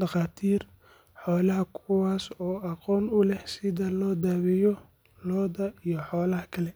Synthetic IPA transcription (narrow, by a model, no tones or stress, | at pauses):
ɖɑqɑːt̪ʰiːr | ħɔːlɐɦɐkʰʊwaːsɔːɑqɔːnʊlɛhsɪðɐlɔːd̪aːβɪjɔ | lɔːðɐijɞħɔːlɐhɐkʰɐlɛ